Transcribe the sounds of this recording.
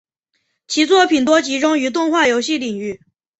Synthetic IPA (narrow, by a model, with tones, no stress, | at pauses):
t͡ɕʰi˧˥t͡swɔ˥˩pʰi˨˩nt̪̬wɔ˥t͡ɕi˧˥ʈ͡ʂʊ˥ŋy˧˥t̪̬ʊ˥˧ŋxwa˥˩jo˧˥ʊɕi˥˩li˨˩ŋy˥˩